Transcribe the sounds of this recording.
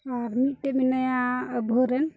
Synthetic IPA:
aɾmitɛminajãbʱoɾɛn

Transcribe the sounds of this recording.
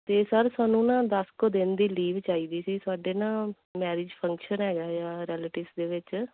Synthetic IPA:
t̪eːsəɾsaːnũːnãːd̪əskoːd̪ẽːnd̪iːliːʋt͡ʃaːiːd̪iːsiːsʊaːɖeːnãː | mɛːɾiːd͡ʒpʰəŋkʃənɦɛːɡaːjãːɾɛːleːʈɪːʋsd̪eːʋɪt͡ʃ

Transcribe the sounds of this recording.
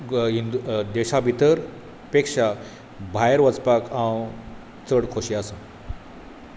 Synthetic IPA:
ɦind̪ud̪eɕabʱit̪əɾ | pekʂa | bʱajəɾʋət͡spakʰaw | t͡səɽkʰoɕiasə

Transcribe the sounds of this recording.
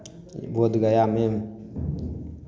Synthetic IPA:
boːd̪ɡəjameːm

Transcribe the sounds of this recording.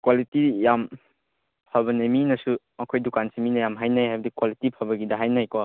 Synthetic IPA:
kwalitijam | pʰɐbɐneminɐsu | ɐkʰojdukansiminɐjamɦajnajɦajbɐdikwalitipʰɐbɐɡidɐɦajnajkɔ

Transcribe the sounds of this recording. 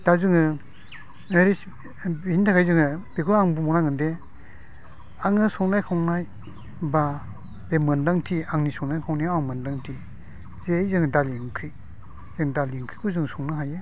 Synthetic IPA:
d̥azɯŋɯ | eɾis | hintakʰajzɯŋɯbekʰulaŋbumɔnaŋɯnde | aŋɯsɔŋnajkʰɔŋnaj | ba | bemɯndaŋtʰiaŋnisɔŋnajkʰɔŋniaŋmɯndaŋtʰi | zejzɯŋdaliŋkʰi | zeŋdaliŋkʰikʰuzɯŋsɔŋnɯɦaje

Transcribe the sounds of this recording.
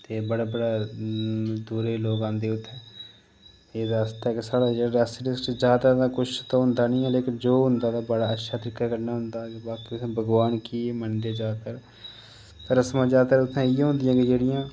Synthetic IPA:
t̪eːbəɽaːbəɽaː | d̪uːɾeːloːɡãːnd̪eːʊt̪ʰːɛ̃ː | eːd̪aːəst̪aɦɛːkɪsaːɽaːd͡ʒeɾɛːsɖɪskd͡ʒjaːd̪ad̪aːkʊt͡ʃʰt̪ãɦʊnd̪aːnĩːɛːleːkɪnd͡ʒoːɦʊnd̪aːt̪aːbəɽaːətːʃʰaːt̪əɾɪkaːkəɾnaːɦʊnd̪aːɡebaːkiʊt̪ʰːbʱəɡʋaːnkiːmənd̪eːd͡ʒaːkəɾ | t̪əɾəsmãːd͡ʒaːkəɾʊt̪ʰːãːĩːɦʊ̃nd̪ɪjãːɡed͡ʒeːɽɪjãː

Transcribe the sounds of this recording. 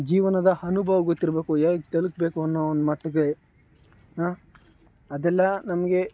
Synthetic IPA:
d͡ʒiːʋɐnɐd̪ɐhɐnubʱɐʋɐɡot̪ːiɾbeːkujaːkt̪ɐluk̚beːkuɐnːoond̪umɐʈːɐɡɐɭe | ɦaː | ɐd̪ɛlːɐnɐmɐɡe̞

